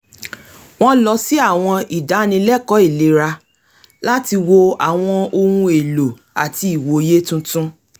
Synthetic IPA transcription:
w̃ɔ̃˦lɔ˧si˦a˦˨w̃ɔ̃˧i˨da˨˦nĩ˧lɛ˦˨kɔ˨˦i˦˨le˨˦ɾa˧ | la˦ti˧wo˧a˨w̃ɔ̃˧o˧hũ˧e˨lo˨ | a˨ti˧˦i˨wo˨˦je˦tũ˦tũ˦

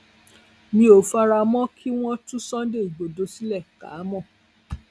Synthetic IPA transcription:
mĩ˧˦o˨fa˧ɾa˧mɔ̃˦kʰi˦w̃ɔ̃˦tũ˦sɔ̃˦de˦˨i˨ɡ͡bo˨do˧˦si˦lɛ˦˨ka̰˨˦mɔ̃˦˨

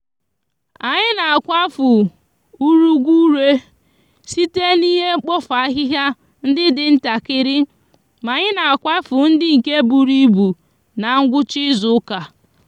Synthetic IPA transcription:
a˨ɲɪ˦na˨a˨kʷa˦fʊ˨ | u˦ɾu˦ɡʷu˦ɾe˦ | si˦te˦ni˦ɦe˦ŋ͡m̩˦k͡pɔ˦fa˨a˦ɦɪ˦ɦja˦ | n̩˦dɪ˦dɪ˨n̩˦ta˨kɪ˦ɾɪ˦ | ma˨ɲɪ˦na˨a˨kʷa˦fʊ˨n̩˦dɪ˦ŋ̩˨ke˦bu˨ɾi˦bu˨ | na˨˦ŋ̩˦ɡʷʊ˦t͡ʃɪ˦zʊ˦ka˨

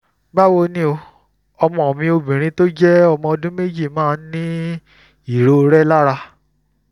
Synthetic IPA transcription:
ba˦˨wo˦˧nĩ˦o˧ | ɔ˧mɔ̃˧ɔ˨mĩ˧o˧bĩ˨ɾ̃ĩ˧to˦d͡ʒɛ˦ɔ˧mɔ̃˧ɔ˧dũ˦me˦d͡ʒi˦˨mãː˦˧˦nĩ˦ | i˦˨ɾo˨˦˧ɾɛ˦la˦ɾa˧

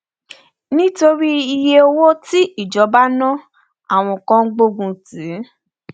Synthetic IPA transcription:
nĩ˦to˧ɾi˦i˧je˦o˧wo˦ti˦i˦˨d͡ʒɔ˨˧˦ba˦nã˦ | a˦˨w̃ɔ̃˧kã˧ŋ̩˦ɡ͡bo˧ɡũ˧si˨˦

